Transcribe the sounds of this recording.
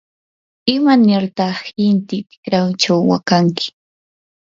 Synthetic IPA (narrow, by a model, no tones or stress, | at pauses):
ɪmanɪɾt̪ɑχhɪnt̪ɪt̪ɪ̥kɾawt͡ʃawːa̰kaŋkʰɪ̥